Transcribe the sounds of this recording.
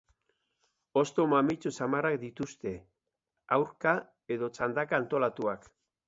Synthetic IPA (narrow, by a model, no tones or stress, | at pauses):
o̞st̪omamit͡susamarakd̪it̪ust̪e̞ | awɾka | e̞ðo̞t͡sand̪akaːnt̪o̞lat̪uak